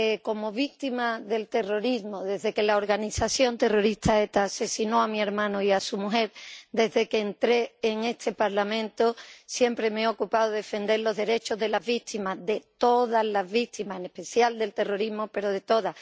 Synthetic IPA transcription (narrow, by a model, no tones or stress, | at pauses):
eko̞mo̞β̞ik̚t̪imaðe̞lt̪e̞ro̞ɾizmoðe̞zðe̞ke̞lao̞ɾɣanisaθjo̞nt̪e̞ro̞ɾist̪ʰaet̪ase̞sino̞amie̞ɾmãnoiasumuɦe̞ɾd̪e̞zðe̞keːnt̪ɾe̞ːŋe̞st̪ʰe̞paɾlamẽnt̪osje̞mpɾe̞meo̞kupaðoðefe̞nd̪e̞ɾlo̞zðe̞ɾe̞t͡ʃo̞zðe̞lazβik̚t̪imaðe̞t̪o̞ðazlazβik̚t̪imaene̞hpe̞θjald̪e̞lt̪e̞ro̞ɾizmope̞ɾo̞ð̞e̞t̪o̞ða